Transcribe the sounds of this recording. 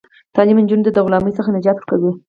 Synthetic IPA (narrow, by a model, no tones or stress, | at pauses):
t̪ɑlimɪnd͡ʒund̪əd̪aɣlɑməjsəxanad͡ʒɑt̪kawi